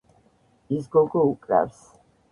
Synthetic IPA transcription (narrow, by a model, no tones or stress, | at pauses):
isɡɔɡɔukʼɾa̰fs